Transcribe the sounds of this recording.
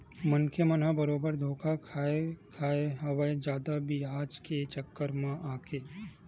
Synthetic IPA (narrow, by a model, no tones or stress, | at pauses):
mɐnkʰemɐnɦabɐɾoːbəɾd̪ʱoːkakʰaːekʰaːeɦɐʋəed͡ʒaːd̪abiɦaːd͡ʒket͡ʃəkːəɾmãʔaːkʰeː